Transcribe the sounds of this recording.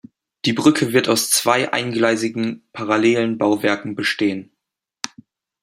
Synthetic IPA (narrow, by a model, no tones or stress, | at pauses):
d̥iːbʁʏkʰəvɪɐtaʊst͡sv̥aɪʔa̰ɪnɡlaɪzɪɡŋ̩pʰaʁaleːlənbaʊvɛɐkŋ̩bəʃteːən